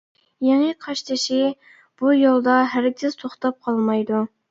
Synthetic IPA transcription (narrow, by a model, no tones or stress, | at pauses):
jeŋɨqʰɑʃt̪ʰɪʃɪ | b̥ujolˠd̪ɑɦæɾkʲʰɪz̥t̪ʰoχt̪ɑp̚qʰɑlˠmɑjd̪u